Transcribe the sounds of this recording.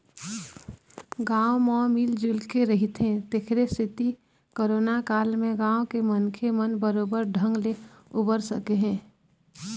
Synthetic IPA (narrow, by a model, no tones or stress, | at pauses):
ɡãːomɔ̃miːld͡ʒulkeɾəɦit̪ɦɛ̃t̪ekʰɾesɪt̪i | koɾoːnakaːlmẽɡãːokemənkʰemənbəɾoːbəɾɖʱə̃ŋɡle | ʊbəɾsəkeɦɛ̃ː